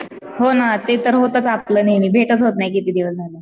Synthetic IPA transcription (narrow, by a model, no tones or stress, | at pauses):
honat̪et̪əɾɦot̪ət͡sap̚kləːnaɦimiːbʱeʈət͡sɦot̪najkit̪iːd̪iʋətd͡zʱalə